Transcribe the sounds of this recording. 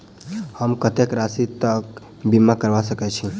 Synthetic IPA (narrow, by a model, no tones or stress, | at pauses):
həmkət̪ekɾasit̪ək | bimakəɾbasəkɛt͡ʃʰi